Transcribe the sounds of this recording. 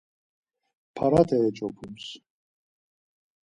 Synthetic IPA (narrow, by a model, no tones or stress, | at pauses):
pʰaɾat̪ʰɛːt͡ʃʼɔpʰums